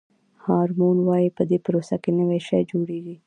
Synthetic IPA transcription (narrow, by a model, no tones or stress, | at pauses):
hɑɾmonwɑjipəd̪epɾosakenəwajʃajd͡ʒoɽeɡi